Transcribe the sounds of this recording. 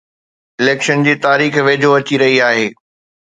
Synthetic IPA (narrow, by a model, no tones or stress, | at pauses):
ɪleːkʃənd͡ʑiːt̪aːɾiːxʋeːd͡ʑʱoɐt͡ɕiɾɐɦiaːɦeː